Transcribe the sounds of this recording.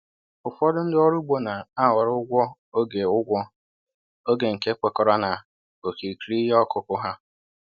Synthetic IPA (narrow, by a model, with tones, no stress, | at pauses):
ʊ˨fɔ˦dʊ˦n̩˦dɪ˦ɔ˦ɾu˦ɡ͡bo˦na˨a˦˨wa˨ɾʊ˦ɡʷɔ˦ | o˦ɡe˨ʊ˦ɡʷɔ˦ | o˦ɡe˨ŋ̩˨ke˦kʷe˨kɔ˨ɾɔ˦na˨ | o˨ki˨ɾi˨kɾi˦ɦe˦ɔ˦kʊ˦kʊ˦ɦa˦